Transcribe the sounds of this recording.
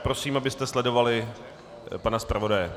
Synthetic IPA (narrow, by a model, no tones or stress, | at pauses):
pɾo̞siːmabɪst̪ɛslɛdo̞valɪ | panaspɾavo̞dajɛ